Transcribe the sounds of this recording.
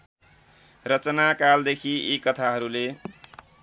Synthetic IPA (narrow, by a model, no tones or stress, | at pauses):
rʌt͡sʌnakald̪ekʰiekːʌt̪ʰaɦʌɾule